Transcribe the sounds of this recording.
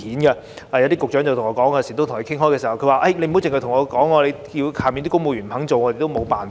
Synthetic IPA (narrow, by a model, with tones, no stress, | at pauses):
iː˨˥nɡɛ˧˩ | ɐ˨˧t̪iː˥kʊ˨k̚œː˨˥ŋt͡swt̪ʰŋɔː˧kɔː˨˥ŋː˧˥siː˨˩t̪o˥t̪ʰŋʰ˩ə˧kʰɪ˥ŋɦɔː˥jkɛ˧si˨˩hɐ˨wkʰɵ˧waː˨˩ʔɐ˥jne˧jm̩˨˥wt͡sɪ˨˧ŋhɐ˧˩t̪ʰʊ˨˩ŋɔː˨˧kɔː˨˥ŋɔː˨˧le˧j | ji˧wkʰaː˨˩mi˨ni˥kŋmo˧jy˨˩m̩ʰ˨˩ɐ˨˥ŋt͡so˨wŋɔː˨˧te˨jt̪o˥wmo˨˧˥wpaː˨˩n